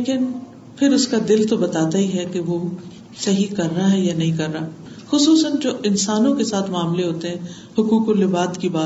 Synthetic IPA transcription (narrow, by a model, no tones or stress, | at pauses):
leːkɪn | pʰɪɾʊskad̪ɪlt̪obɐt̪aːt̪aɦiɦɛkeʋo | sɐɦikɐɾːaɦɛjanɐɦĩkɐɾːaː | xʊsuːsənd͡ʒoːʔɪnsaːnõkesaːt̪ʰmaːmleɦoːt̪eɦɛ̃ | hʊkuːkoɾlɪbaːt̪kibaːt̪